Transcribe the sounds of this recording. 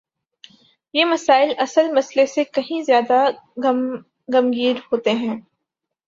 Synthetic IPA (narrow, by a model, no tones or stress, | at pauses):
jeːmɐsaːɪlɐsəlmɐslesekɐɦĩzjaːd̪a | ɡɐmɡiːɾhoːt̪eɦɛ̃ː